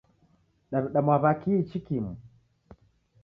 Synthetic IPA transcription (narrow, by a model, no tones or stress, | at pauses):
ɗaβɗamwaβakiit͡ʃikimu